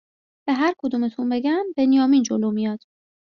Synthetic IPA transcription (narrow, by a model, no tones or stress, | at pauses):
b̥eɦæɾkʰod̪uːmet̪ʰunbe̞ɡæmbe̞nijɒːmiːnd͡ʒoloːmijɒd̪̥